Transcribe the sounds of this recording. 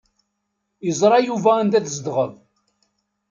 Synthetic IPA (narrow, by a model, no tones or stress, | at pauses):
jəzˤɾˤɑjuvæːnd̪æθzd̪ʁəv